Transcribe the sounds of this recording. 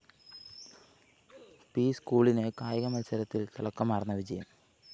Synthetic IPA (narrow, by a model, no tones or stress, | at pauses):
piːskuːɭinekaːjɐɣɐmɐlsɐɾɐt̪ːilt̪ɐlɐkːɐmaːrɐnːɐʋid͡ʑɐjɐm